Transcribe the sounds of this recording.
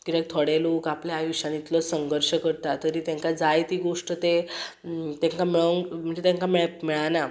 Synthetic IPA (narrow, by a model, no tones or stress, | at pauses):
kid͡ʑ̪ek̚t̪ʰoɽeluːkapljajuɕãnit̪lɔsəŋɡəɾʂəkəɾt̪at̪əɾiːt̪ẽŋkad͡zajt̪iːɡoʂʈət̪e | t̪ẽŋkamiɭəŋm̤əɳd͡ʑet̪ãŋkamiɭmiɭana